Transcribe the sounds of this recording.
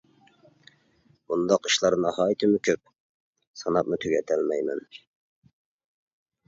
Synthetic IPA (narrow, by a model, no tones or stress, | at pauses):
und̪ɑqiʃlˠɑɾnɑhɑːjt̪ʰɪmʊkʲʰøp̚ | sɑnɑp̚mut̪ʰøɡʲɛt̪ʰɛlmɛjmɛ̰n